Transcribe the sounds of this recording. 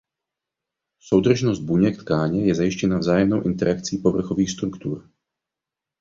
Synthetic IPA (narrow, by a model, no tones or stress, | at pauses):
so̞wd̪r̩ʒnosd̪̚buɲɛkt̪kaːɲɛjɛzajɪʃcɛnavzaːjɛmnowʔɪnt̪ɛɾakt͡siːpo̞vr̩xoviːxst̪ɾukt̪uɾ